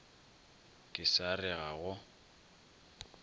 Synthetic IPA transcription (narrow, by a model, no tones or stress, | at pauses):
kʼɪsarɪɣaɣʊ